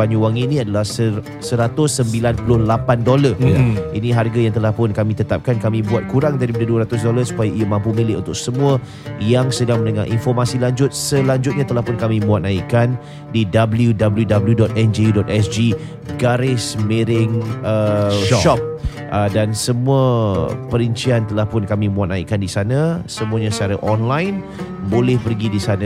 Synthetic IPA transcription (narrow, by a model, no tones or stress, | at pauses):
aɲuwaŋinĩadalahsə | səɾat̪ʊsːəmbilanpulʊhlapandolarʔiniɦarɡajaŋt̪əlahpʊnkamĩt̪ət̪ap̚kankamĩbuat̪̚kuɾaŋdaɾipadaduəɾat̪ʊs̬dolasu̥pajaiamãmpumilɪʔunt̪ʊk̚səmũə | jaŋsədaŋmənəŋa̰ʔḭnfɔrmasilaɲd͡ʒʊt̪̚səlaɲd͡ʒʊt̪̚ɲãt̪əlahpʊnkamĩmuat̪̚naikan | didabəljudabəljudabəludɔt̪̚ɛnd͡ʒeudɔt̪̚ɛsd͡ʒi | ɡaɾɪsmeɾɪŋəʃʃɔp̚ | ʔədansəmũəpəɾəɲt͡ʃiant̪əlahpʊnkamĩmuat̪̚naḭʔkandisanãsəmuaɲãst͡ʃaɾaʔɔnlajn | bolɛhpərɡidisanã